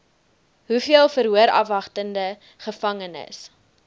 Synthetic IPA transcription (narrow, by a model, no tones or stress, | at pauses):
ɦufiəlˠfəɾɦuəɾɐ̰fɐχtəndə | χəfɐŋənə̰s